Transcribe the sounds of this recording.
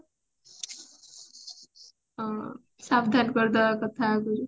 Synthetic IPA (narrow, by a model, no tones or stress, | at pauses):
sabd̪ʱanɡʌrd̪akʌt̪ʰaɡuɾ